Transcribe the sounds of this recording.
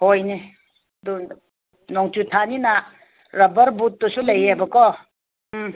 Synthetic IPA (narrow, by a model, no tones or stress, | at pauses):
hojne | du | nɔŋtutʰanina | ɾɐbɐɾbut̚ːɔsulajebɐkɔ